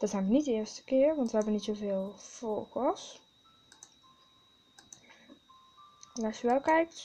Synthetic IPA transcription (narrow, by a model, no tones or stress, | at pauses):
d̥ɔz̥ɛjnʋənitdəɪəɹstə̥kɪərʋɑntʋəhɛbənitsoveːlˠfoːkɔs | nasjəʋɛlˠkɛjk